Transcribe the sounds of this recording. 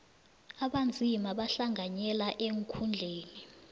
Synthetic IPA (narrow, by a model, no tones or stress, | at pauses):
aɓand͡zʱimaɓaɬaŋʱaɲɛlaʔeŋkʰund͡ɮʱeːni